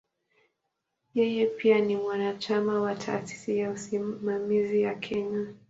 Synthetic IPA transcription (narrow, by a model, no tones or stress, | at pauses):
jɛjɛpianimwanat͡ʃamawatʰa̰ːsi̥sijausimamiziwakʰɛɲa